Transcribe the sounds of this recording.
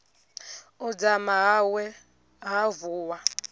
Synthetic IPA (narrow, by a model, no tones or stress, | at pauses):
ʊd͡zamawɛ | ɣavʊwa